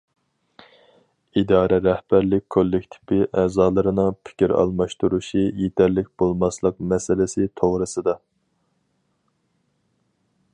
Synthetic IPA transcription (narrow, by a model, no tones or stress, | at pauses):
id̪ɑːɾɛɾɛhbæɾlɪkʲʰːolˠːɪkʲt̪ʰɪ̥pɪʔɛːzɑːlˠɨɾɨnɨŋpʰɪ̥kʲʰiɾɑ̰lˠmɑʃt̪uɾuʃijet̪ʰæɾlɪk̚ʲbolˠmɑslˠəq̚mɛsɪlɪsɪt̪ʰoʁɾɨsɨd̪ɑ